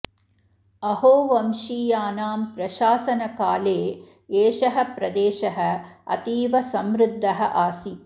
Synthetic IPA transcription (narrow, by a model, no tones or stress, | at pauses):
ɐɦoːʋɐmʃiːjaːnaːmpɾɐʃaːsɐnɐkaːleː | eːʃɐɦɐ̆pɾɐd̪eːʃɐɦɐ̆ɐ̰t̪iːʋɐsɐmɾud̪ʱːɐɦɐʔaːsi